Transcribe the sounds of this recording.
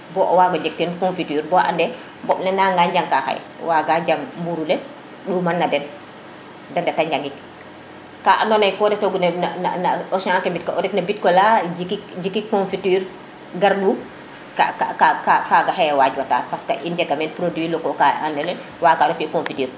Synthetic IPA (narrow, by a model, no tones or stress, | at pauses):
bɔʔwaɡaɲd͡ʒɛk̚tɛnkõnfityːɾbɔʔa̰ndɛ | mbɔɓnɛnaŋɡaɲɟaŋkaxa̰j̰ | waɡaɟaŋmbuɾulɛ | ɗumanːadɛn | dɛndɛtaɲd͡ʒaŋɡik̚ | kaʔa̰ndɔnajkɔdɛtɔɡunɛna̰nanaɔsãaŋkambitkɔʔɔdɛknabit̚kɔlad͡ʒikikd͡ʒikːikːonfitiːɾ | ɡaɾɗu | ka̰kkakakaɡahɛjwad͡ʒwata̰paska̰ʔind͡ʒɛɡamɛnpɾodwilɔkɔkaandɛnɛ | waːɡanɔfikõnfitiːɾ